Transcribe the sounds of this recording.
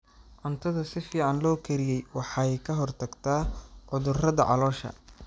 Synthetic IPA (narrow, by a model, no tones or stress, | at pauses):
ʔɐnt̪ʰɐðɐsɪfiːʕɑnlɔːkʰɐɾɪjɛjwɑħɑɛjkʰɐɦɔrt̪ʰɐɡt̪ʰaːʕʊðʊrɐðɐʕɑ̰lɔːʃɐ̰